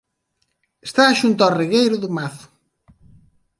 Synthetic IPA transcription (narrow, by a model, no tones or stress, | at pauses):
est̪aʃunt̪ariɣejɾʊðʊmaθʊ̥